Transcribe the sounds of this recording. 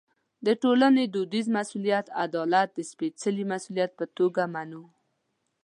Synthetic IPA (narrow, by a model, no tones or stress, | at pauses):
d̪əʈolaned̪od̪izmasulijat̪ad̪ɑlat̪̚d̪əspet͡səlimasulijat̪̚pət̪oɡamanu